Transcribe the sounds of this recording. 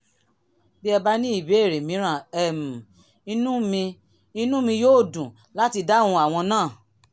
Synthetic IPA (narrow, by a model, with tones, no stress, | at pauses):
bi˦ɛ˧ba˦nĩ˦i˦˨be˨˦e˦˨ɾe˨mĩ˨˦ɾ̃ã˦˨ɛ˦˨mu˨ | i˦nũ˦mĩ˧ | i˦nũ˦mĩ˧joː˦˨dũ˨ | la˦ti˧da˦˨ũ˧a˨w̃ɔ̃˧nãː˦˨